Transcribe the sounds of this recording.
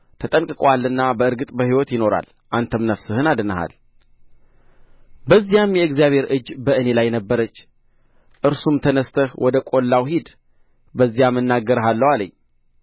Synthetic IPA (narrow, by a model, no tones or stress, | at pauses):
t̪ʰət̪ʼəŋkʼɨkʼalɨnːabəɨɾɡɨt̪ʼbəhiwɔt̪jɪno̞ɾa̰l | ʔant̪ʰəmnəfsɨhɨnad̪ɨnəɦa̰l | bəzːijamjɛɨɡzijaβhe̞ɾɨd͡ʒːbəʔɨne̞lajnəbːəɾət͡ʃː | ʔɨɾsumt̪ʰənəst̪ʰəhwʔɔd̪əkʼolːawɦid̪ | bəzːijamɨnːaɡəɾəɦalːəwaləɲː